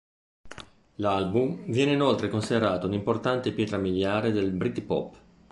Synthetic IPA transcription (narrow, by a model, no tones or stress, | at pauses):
lalbumvjɛːneinolt̪ɾekonsid̪eɾaːt̪ounimport̪ant̪epjɛːt̪ɾamiljaːɾed̪elbɾit̪pɔ̰pː